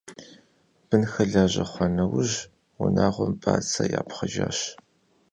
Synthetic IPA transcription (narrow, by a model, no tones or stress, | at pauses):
b̥ɨnxɐɮaːʑɐχʷɔnɐwʊʑ | wʊnaːʁʷɔmpʼaːt͡sʰɐjaːpχɐʒaːɕ